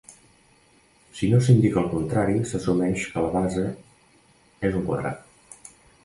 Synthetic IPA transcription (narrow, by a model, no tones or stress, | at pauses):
sinosind̪ikəlˠkunt̪ɾaɾisəsumɛʃkələβazə | ezuŋkwəðɾa̰t̪̚